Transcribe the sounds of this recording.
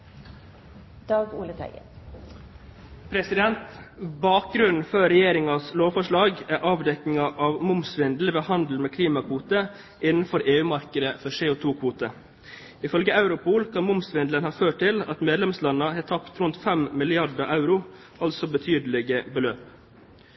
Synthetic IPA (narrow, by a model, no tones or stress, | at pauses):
d̪̥ɑːɡṵːlət̪ʰæ̰ɪɡə̰ | pʰɾɛsɪd̪ɛnt̪bɑːk̚ɡɾʉnn̩fœɾɛjeːɾɪŋɑsloːʋfɔʂɭɑːɡæʔɑːʋd̪ɛknɪŋɑʔɑʋmʊmsʋɪnd̪l̩ʋeːhɑnd̪l̩meːkʰliːmɑkʰʋuːt̪ə | ʔɪnn̩fɔɾeːʉːmɑɾkəd̪əfœʂeːʊt̪ʰuːkʰʋuːt̪ə | ɪfœlɡəɑʉɾʊpʰuːlkʰɑnmʊmsʋɪnd̪lənhɑːføːʈʈʰɪlɑt̪meːd̪lɛmslɑnːɑhɛːt̪ʰɑpt̪ɾʉnt̪fɛmmɪlɪɑɖəʔɑʉɾʊ | ɑlsɔbət̪ʰyːd̪əlɪɡəbəløːp